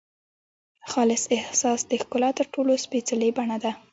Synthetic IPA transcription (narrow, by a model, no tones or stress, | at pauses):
xɑlɪsɪhsɑsd̪əxkʊlɑt̪əɾʈolospet͡salebaɳad̪a